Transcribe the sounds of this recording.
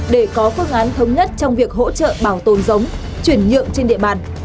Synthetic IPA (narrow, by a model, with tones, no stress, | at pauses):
ɗe˧˩kɔ˨˦fɨ˧əŋʔaː˨˦nt̪ʰə˨˦wŋ͡mɲə˦˥t̚t͡ɕɔ˧wŋ͡mvi˨˩ək̚ɦo̰˧˥t͡ɕə̰ː˧˨ɓaː˧˩wt̪o˨˩nzə˨˦wŋ͡m | t͡ɕwi˧˩ənɲɨ̰˧˨əŋt͡ɕe˧nɗḭ˧əɓa̰ː˧˨n